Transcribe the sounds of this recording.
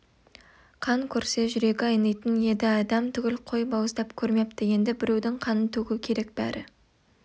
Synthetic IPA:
qʰɑŋkʲʰɵɾse̞ʒʏɾe̞ɡʲɪɑjnɑjt̪ənje̞d̪ɪɑd̪ɑmt̪ʰʏɡʲɪlqʰo̞jbɑwəzd̪ɑpkʲʰɵɾme̞p̚t̪əje̞nd̪ɪbɪɾewd̪ɪŋqʰɑnənt̪ʰɵɡʲukʲʰe̞ɾe̞k̚b̥æ̰ɾʔɪ̰

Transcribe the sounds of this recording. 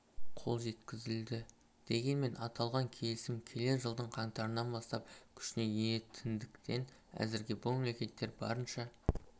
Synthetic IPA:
qʰo̞lˠʒe̞t̪kʲɪzɪld̪ɪ | d̪̥e̞ɡʲe̞nme̞nʔɑt̪ɑlˠʁɑŋkʲʰe̞lɪsɪmkʲʰe̞le̞ʒəlˠd̪əɴqʰɑŋt̪ɑɾənɑnbɑst̪ɑp̚kʲʰʏ̥ʃɪne̞jenet̪ʰɪnd̪ɪkt̪ʰe̞n | æ̰zɪɾɡʲɪbumemlekʲe̞t̪ːe̞ɾbɑ̰ɾənʃɑ

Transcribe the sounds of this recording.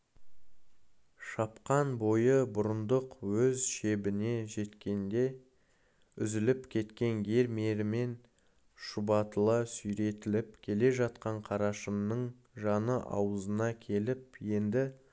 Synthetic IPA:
ʃɑpqɑnbo̞jəbʊɾənd̪əqwɵzʃe̞bɪne̞ʒe̞t̪kʲe̞nd̪e̞ | ʏzɪlɪpkʲʰe̞t̪kʲe̞nɡʲe̞ɾmeɾɪme̞n | ʃʊbɑt̪əlˠɑsʏjɾe̞t̪ɪlɪpkʲʰe̞le̞ʒɑt̪qɑɴqʰɑɾɑʃəmnəɴ | ʒɑnəʔɑ̰wəzənɑkʲʰe̞lɪp̚je̞nd̪ɪ

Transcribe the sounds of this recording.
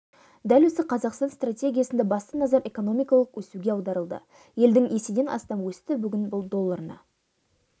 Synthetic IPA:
d̪ælwɵzɪqʰɑzɑqst̪ɑnst̪ratʲe̞ɡʲijasənd̪ebɑst̪ənɑzɑɾe̞ko̞no̞mijkɑlˠəqwɵsuɡʲe̞ɑwd̪ɑɾəlˠd̪ə̰ | je̞ld̪ɪŋesed̪e̞nʔɑ̰st̪ɑmwɵst̪ɪbʏɡʲɪnbʊlˠd̪o̞lˠːɑɾnɑ̰

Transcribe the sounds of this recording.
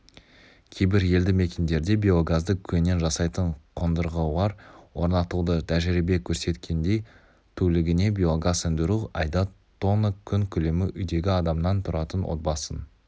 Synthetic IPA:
kʲʰe̞jbɪɾje̞ld̪ɪme̞kʲend̪e̞ɾd̪e̞bʲio̞ɡazd̪əkʲʰɵnːe̞nʒɑsɑjt̪əɴqʰond̪əɾʁəlˠɑɾwo̞ɾnɑt̪ud̪ət̪ʰæʒɪɾibe̞kʲʰɵɾse̞t̪kʲʰe̞nd̪e̞j | t̪ʰɵlɪɡʲɪne̞bʲio̞ɡasɪnd̪ɪɾuɑ̰jd̪ɑt̪ʰːo̞nəkʲʰʏŋkʲʰʏle̞mɪʔʏjd̪e̞ɡʲɪɑd̪ɑmnɑnt̪ʰʊɾɑt̪ənwo̰t̪̚bɑsən

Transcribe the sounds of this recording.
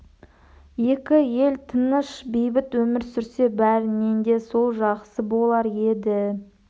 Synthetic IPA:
je̞kʲɪje̞lt̪ʰənəʃbejbɪt̪wɵmɪɾsʏɾse̞bæɾɪnend̪e̞so̞lˠʒɑqsəbo̞lˠɑɾe̞d̪ɪ

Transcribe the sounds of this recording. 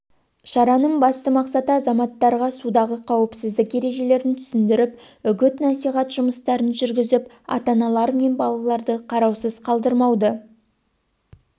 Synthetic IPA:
ʃɑɾɑnəɴbɑst̪əmɑqsɑt̪əɑzɑmɑt̪ːɑɾʁɑsud̪ɑʁəqʰɑwɪpsɪzd̪ɪkje̞ɾe̞ʒe̞le̞ɾɪnt̪ʰʏ̥sɪnd̪ɪɾɪpʏɡʲɪt̪nɑsijʁɑt̪ʒ̥ʊməst̪ɑɾənʒʏɾɡʲɪzɪp | ɑ̰t̪ɑnɑlˠɑɾme̞nbɑlˠɑlˠɑɾd̪əqʰɑɾɑwsəz̥qʰɑlˠd̪əɾmɑwd̪ə

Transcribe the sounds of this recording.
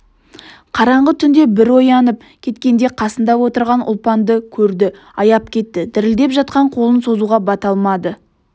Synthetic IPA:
qʰɑɾɑɴʁət̪ʰʏnd̪e̞bɪɾwo̞jɑnəp̚ | kʲʰe̞t̪kʲe̞nd̪e̞qʰɑsənd̪ɑwo̞t̪əɾʁɑnʔʊ̰lˠpɑnd̪əkʲʰɵɾd̪ɪ | ɑjɑp̚kʲʰe̞t̪ːɪd̪ɪɾɪld̪e̞pʒɑt̪̚qɑɴqʰo̞lˠənso̞zuʁɑbɑt̪ɑlˠmɑd̪ə

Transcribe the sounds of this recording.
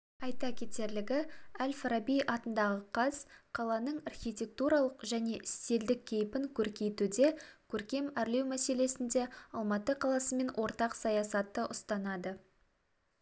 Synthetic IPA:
ɑjt̪ɑkʲʰe̞t̪e̞ɾlɪɡʲɪælfɾɑbijʔɑt̪ənd̪ɑʁəqʰɑz̥qʰɑlˠɑnəɴɑrχʲijt̪ʲe̞k̚t̪uɾɑlˠəqʒæne̞ʔɪst̪e̞ld̪ɪk̚ʲʰːe̞jɪpɪŋkʲʰɵɾkʲe̞jt̪ud̪e̞kʲʰɵɾkʲe̞mæɾle̞wmæse̞le̞sɪnd̪e̞ɑlˠmɑt̪əqʰɑlˠɑsəme̞nwʔo̞ɾt̪ɑqsɑjɑsɑt̪ːəʔʊst̪ɑnɑd̪ə

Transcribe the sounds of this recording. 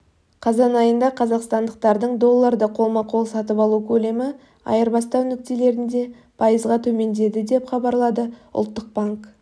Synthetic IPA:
qʰɑzɑnɑjənd̪ɑqʰɑzɑqst̪ɑnd̪əq̚t̪ɑɾd̪əɴd̪o̞lˠːɑɾd̪əqʰo̞lˠmɑqʰo̞lˠsɑt̪əpɑlˠukʲʰɵle̞mɪ | ɑ̰jəɾbɑst̪ɑwnɪk̚t̪ele̞ɾɪnd̪e̞ | pʰɑjəzʁɑt̪ʰɵme̞nd̪e̞d̪ɪd̪e̞pχɑbɑɾlˠɑd̪əʊ̰lˠt̪ːəq̚baŋk

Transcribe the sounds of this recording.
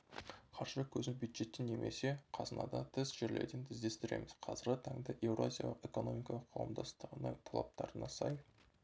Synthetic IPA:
qʰɑɾʒəkʲʰɵzɪnbjujd̪ʒe̞t̪ːenːe̞mʔe̞̰se̞qʰɑzənɑ̰d̪ɑt̪ʰɪzʒeɾle̞̰ɾd̪ent̪ʰɪzd̪e̞st̪ɪɾe̞̰mɪz̥qʰɑzɪɾɡʲɪt̪ʰɑŋd̪ɑʔe̞wroazʲijɑlˠəqe̞ko̞no̞mijkɑlˠəqʰːɑwəmd̪ɑst̪əʁənəŋt̪ʰɑlˠɑ̰p̚t̪ɑɾənɑsɑj

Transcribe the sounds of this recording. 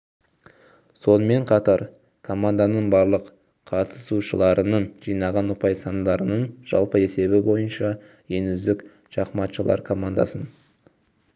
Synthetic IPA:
so̞nəme̞ɴqʰɑt̪ɑɾ | kʰo̞mand̪anəɴbɑɾlˠəq | qʰɑt̪ʰə̥suʃəlˠɑɾʔənəɴʒ̥ijnɑʁɑnʊpɑjsɑnd̪ɑɾənəɴʒ̥ɑ̰lˠpəe̞se̞bɪbo̞jənʃɑ | je̞nʏzd̪ɪk | ʃɑqmɑt̪ʃəlˠɑ̰ɾkʰo̞mand̪ɑ̰sən

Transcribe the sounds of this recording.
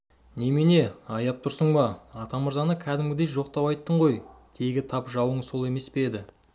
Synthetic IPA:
nemene̞ɑjɑp̚t̪ʰʊɾsəɴbɑɑt̪ɑməɾzɑnəkʲʰæd̪ɪmɡʲɪd̪e̞jʒo̞qt̪ɑpɑjt̪ːəɴʁo̞jt̪ʰe̞ɡʲɪt̪ʰɑpʒɑwəɴso̞lˠe̞me̞speed̪ɪ

